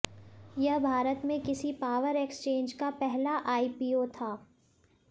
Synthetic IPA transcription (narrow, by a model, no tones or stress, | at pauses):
jɐɦbʱaːɾət̪mẽkɪsipaːʋəɾekst͡ʃẽːɲd͡ʒkapɛɦlaʔaːipiːot̪ʰaː